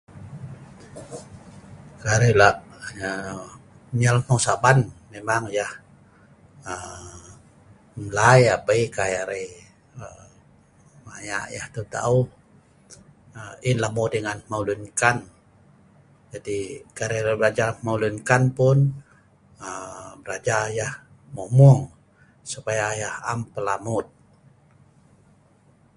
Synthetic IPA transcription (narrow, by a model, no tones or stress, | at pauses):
kaɾelaʔə | ɲəlmowsabanmemaŋjah | ə | mlajabəikajaɾe | ə | maɲa̰ʔja̰ht̪ut̪a̰uh | əɪnlamut̪̚dəŋanmaulunkan | d͡ʒadikaɾeɾebəlad͡ʒamaulunkanpʊn | əbəɾad͡ʒajah | momɔŋ | supajajaha̰mpəlamʊt̪̚